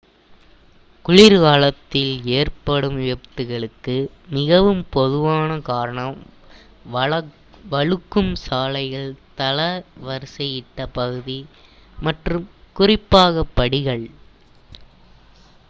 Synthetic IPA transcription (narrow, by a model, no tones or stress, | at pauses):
kʊɻɪɾɣaːɭɐt̪ːɪleːrpɐɽɯmɪjɐk̚t̪ɯɣɐɭɯkːɯ | mɪɣɐʋɯmpɔðɯʋaːnɐkaːɾɐɳɐm | ʋɐ | ʋɐɻɯkːɯmsaːlɐɪɣɐɭt̪ɐlɐʋɐɾɯsɐjɪʈːɐpɐɣɯðimɐʈrɯmkʊrɪpːaːɣɐpːɐɽɪɣɐɭ